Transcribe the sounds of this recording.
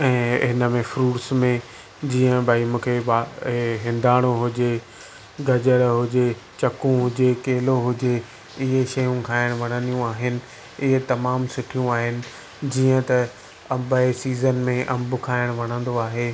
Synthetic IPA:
ɛ̃ːɦɪnə̆mẽfɾuːʈsmẽ | d͡ʑiːə̃bʱaːimũːkʰebaɦɪ̃nd̪ʱaːɽ̃oɦʊd͡ʑe | ɡʱɐd͡ʑəɾɦʊd͡ʑet͡ɕɐkũɦʊd͡ʑekeːloɦʊd͡ʑe | ɪɦeʃɐjũkʰaːɪɽ̃ʋɐɽ̤̃ə̃nijũaːɦɪnɪ̆ | ɪɦet̪ɐmaːmsʊʈʰijũaːɦɪnɪ̆ | d͡ʑiːə̃t̪ɐ | ɐ̃mbaesiːzənmẽʔɐ̃mbʊkʰaːɪɽ̃ʋɐɽ̃ə̃nd̪oaːɦeː

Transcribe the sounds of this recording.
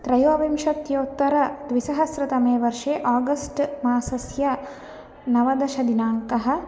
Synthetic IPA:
t̪ɾɐjoːʋimʃɐt̪joːt̪ːɐɾɐd̪ʋisɐɦɐsɾɐt̪ɐmeːʋɐɾʂeːʔaːɡɐsʈmaːsɐsjɐ | nɐʋɐd̪ɐʃɐd̪inaːŋkɐɦɐ̆

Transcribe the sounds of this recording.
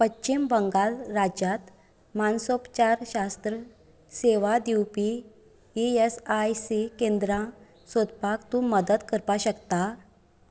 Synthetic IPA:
pətːɕimbəŋɡalɾad͡ʑat̪ | mansopt͡ɕaɾɕast̪ɾə | seʋad̪iwpi | iesajsikend̪ɾã | sod̪pakt̪ũməd̪əd̪kəɾpaɕəkt̪a

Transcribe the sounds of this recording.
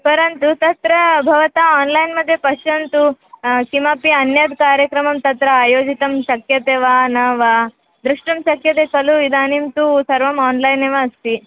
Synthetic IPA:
pɐɾɐnt̪ut̪ɐt̪ɾɐbʱɐʋɐt̪aaːnlɐjnmɐd̪ʱjɐpɐʃjɐnt̪ukimɐpiɐnjɐd̪kaːɾjɐkɾɐmɐmt̪ɐt̪ɾɐaːjoːd͡ʒit̪ɐmʃɐkjɐt̪eːʋaːnɐːʋaː | d̪ɾuʂʈɐmʃɐkjɐt̪eːkɐluid̪aːnimt̪usɐɾʋɐmaːnlɐjneʋaɐst̪i

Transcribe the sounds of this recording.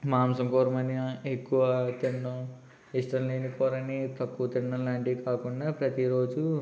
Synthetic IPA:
maːmsɐmkoːɾɐmɐniekːuʋɐt̪iɳːɐ | isʈɐnliːnikɔːɾɐnit̪ɐkːut̪iɳɖɐlaːɳʈikaːkuɳɖaːpɾɐt̪iɾo̞ːd͡ʒu

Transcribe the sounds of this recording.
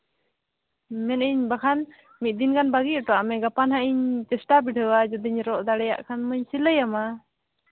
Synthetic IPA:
mɛniɲbakʰan | mit̪̚d̪inkʰanbaɡiɔʈɔamɛɡapanɦaʔiɲt͡ʃɛsʈabiʈʰəwad͡ʒɔd̪iɲɾɔʔd̪aɽɛja̰ʔkʰanməɲsiləjama

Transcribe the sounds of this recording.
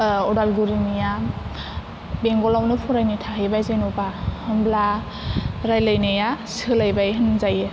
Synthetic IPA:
ɔdalɡuɾinija | beŋɡɔlawnɯpʰuɾajnitʰaɦɯjbajzajnupahɯmbla | ɾajlajnajasɯlajbajɦɯnzajɯ

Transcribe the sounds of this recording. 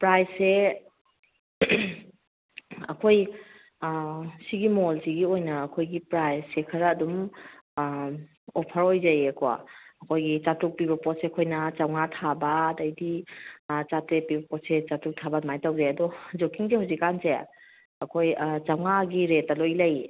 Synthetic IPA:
pɾajse | ɐkʰoj | siɡimolsiɡiojnɐɐkʰojɡipɾajssekʰɐɾɐːdum | ɔpʰɐɾojzɐjɐkɔa̰ɐkʰojɡit͡ʃatɾuk̚piβɐpɔt̚seɐkʰojnɐt͡ʃawŋatʰabadajdi | t͡ʃatɾepibɐpɔt̚set͡ʃatɾuk̚tʰabɐmajtawzajɐdɔd͡ʒokiŋzihawzikanse | ɐkʰojt͡ʃawŋaɡiɾetːɐlojlaj

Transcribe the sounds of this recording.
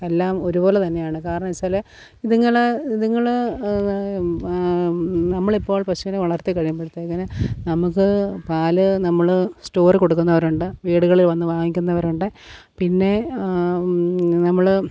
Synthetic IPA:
elːaːmoɾubo̞ːlet̪ɐnːe̞jaːɳɨkaːɾɐɳɐmisɐle | iðiŋːɐɭiðiŋːɐɭ | nɐmːɐɭipːo̞ːɭpɐɕuneʋɐɭɐrt̪ikɐɻijumpːeɽut̪ːeŋːɐnenɐmukːɨpaːlɨnɐmːɐɭsʈo̞ːrko̞ɽuk̬ːunːɐʋɐɾuɳɖɨʋiːɽuɣɐɭilʋɐnːɨbʱaːŋikʲːunːɐʋɐɾuɳɖɨ | pinːe̞ | nɐmːɐɭ

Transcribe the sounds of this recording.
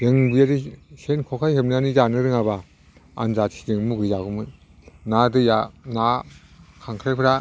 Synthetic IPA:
ɾɯŋbɯjaɾisenkʰɔkʰajhep̚nanizanɯɾɯŋaba | a̰nzatʰi̥dɯŋmuɡɯzaɡɯmɯn | nadɯjana | kʰaŋkʰɾajpʰɯɾa

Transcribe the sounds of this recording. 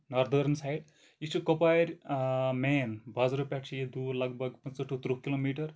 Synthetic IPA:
nɐɾd̪ʱəɾnsajɖ | it͡ʃukopaːjɾʲmeːnbɐzɾupʲaʈt͡ʃʰijed̪uːɾlɐɡbʱɐɡpɐnsɐʈut̪ɾukilomiːʈɐɾ

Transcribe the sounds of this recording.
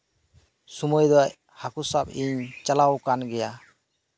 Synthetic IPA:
sumɔjd̪ɔj | hakusap̚iɲt͡ʃalawkanɡɛja

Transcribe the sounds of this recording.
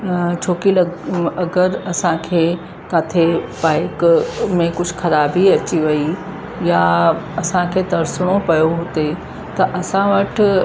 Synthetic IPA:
t͡ʃʰoːkilɐɐɡəɾɐsãkʰeː | kaːt̪ʰepaːɪkmẽkʊt͡ʃʰkʰɐɾaːbʱiɐt͡ʃiʋɐi | jaɐsãkʰed̪ɐɾsɽ̃opɐjoɦoːt̪e | t̪ɐʔɐsãʋɐʈʰ

